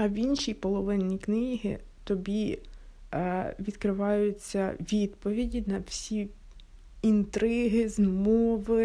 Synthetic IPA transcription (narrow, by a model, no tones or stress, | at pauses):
ɐʋʲinʃipɔlˠɔʋɪnʲːiknɪɦɪ̰t̪ɔbʲi | ʋʲid̪kɾɪʋɑjʊt͡sʲːɐʋʲid̪pɔʋʲidʲinɐwsʲi | int̪ɾɪɦɪzmɔʋɪ